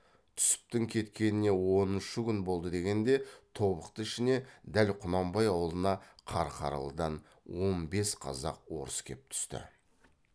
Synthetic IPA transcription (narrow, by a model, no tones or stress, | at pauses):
t̪ʰʏ̥sɪ̥p̚t̪ɪŋkʲʰe̞t̪kʲe̞nɪne̞wo̞nɪʃɪkʲʏnbo̞lˠd̪əd̪e̞ɡʲe̞nd̪e̞t̪ʰo̞βəqt̪əɪʃɪne̞d̪ælqʰʊnɑmbɑjɑwəlˠənɑqʰɑɾqʰɑ̰ɾɑ̰lˠəd̪ɑn | wo̞nbe̞sqʰɑ̰zɑ̰q̚wo̞̰ɾəskʲʰe̞p̚t̪ʰʏ̥st̪ɪ̰